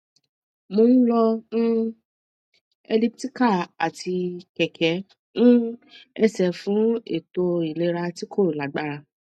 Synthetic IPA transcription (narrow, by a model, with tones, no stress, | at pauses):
mo˧nĩ˦lɔ˧ñ̩˦ | e˧li˦pti˦ka˦˨a˨tʰi˧kɛ˨kʰɛ˨˦ | nũ˦ɛ˧sɛ˨fũ˨˦ḛ˦˨to˧i˨le˨˧˦ɾa˧ti˦kʰo˦˨ɾu˨la˨ɡ͡ba˦ɾa˧